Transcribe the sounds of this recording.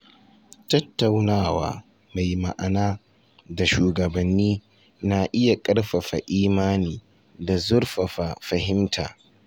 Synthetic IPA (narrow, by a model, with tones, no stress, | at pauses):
tɐ˦tːa˨wnaː˦˨wa̰ː˦ | ma˨jma̰˨ʔa˨naː˦ | da˨ʃuː˨ɡɐ˨bɐ˨nːiː˦ | na˨ʔɪ˦ja˨kʼɐ˦ɽɸɐ˨ɸa̰˨ʔiː˦maː˦niː˨ | da˨zʊ˦ɽɸɐ˨ɸa˨fɐ˨hɪ˦mtʰa̰ː˨